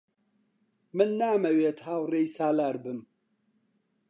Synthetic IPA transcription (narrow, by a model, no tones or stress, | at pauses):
mɨnːaːmɐweːt̪haːwreːjsaːlaːɾbɨm